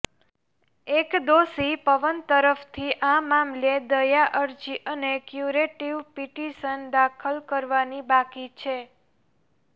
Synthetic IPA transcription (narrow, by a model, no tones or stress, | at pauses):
ekd̪osipəʋənt̪əɾəft̪ʰiʔamamled̪əjaʔəɾd͡ʒiʔənekjuɾeʈiʋpiʈiʃənd̪akʰəlkəɾʋanibakit͡ʃʰe